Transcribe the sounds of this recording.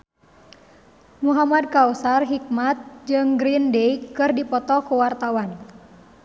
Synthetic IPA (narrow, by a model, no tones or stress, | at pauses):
muɦamad̚kawsarɦik̚mat̪̚d͡ʒɨŋɡɾindeikɨrdipɔt̪ɔkuwart̪awan